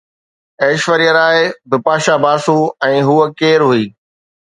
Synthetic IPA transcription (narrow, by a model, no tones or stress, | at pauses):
eːʃʋəɾijəɾaːɪbɪpaːʃabaːsũːɛ̃ːɦuːəkeːɾɦuiː